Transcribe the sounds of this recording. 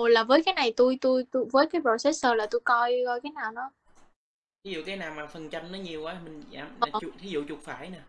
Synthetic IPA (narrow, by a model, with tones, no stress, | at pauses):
o˨˩laː˨˩vəː˨˦jkaː˨˦jna˨˩jt̪u˧jt̪u˧jt̪u˧vəː˨˦jkaː˨˦jpo˧˩sɛ˦˥səː˨˩laː˨˩t̪u˧jkɔ˧jkɔ˧jkaː˨˦jnaː˨˩wnɔ˨˦ | t̪ʰi˨˦zṵ˧˨kaː˨˦jnaː˨˩wmaː˨˩fə˨˩nt͡ɕa˧jnnɔ˨˦ɲi˨˩əwʔaː˨˦mï˨˩ŋza̰ː˧˩m̚˨˩˨t̪ʰi˨˦zṵ˧˨t͡ɕʊ˨˩k̚faː˧˩jnaː˨˩